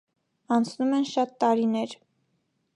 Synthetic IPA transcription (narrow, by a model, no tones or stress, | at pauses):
ɑnt͡sʰnumɛnʃɑt̪ːɑɾinɛɾ